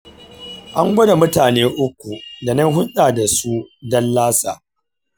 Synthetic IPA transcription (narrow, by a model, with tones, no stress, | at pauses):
ʔa˦ŋɡʷɐ˦da˨mʊ˦taː˨neː˦ʔʊ˦kʷːu˨da˨nɐ˦nɦʊ˦nɗaː˨da˨su˦dɐ˦nlaː˦saː˨